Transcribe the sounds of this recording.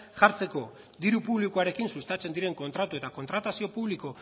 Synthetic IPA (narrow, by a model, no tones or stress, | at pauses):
ʝaɾt͡se̞ko̞ | d̪iɾupuβlikuaɾe̞kinsust̪at͡se̞nd̪iɾe̞ŋko̞nt̪ɾat̪ue̞t̪ako̞nt̪ɾat̪asio̞puβliko̞